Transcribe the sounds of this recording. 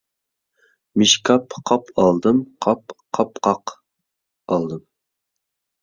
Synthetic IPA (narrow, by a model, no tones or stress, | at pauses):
miʃkʰɑpqʰɑpʰɑlˠd̪ɨmqʰɑpqʰɑpqʰɑq | ɑlˠd̪ɨm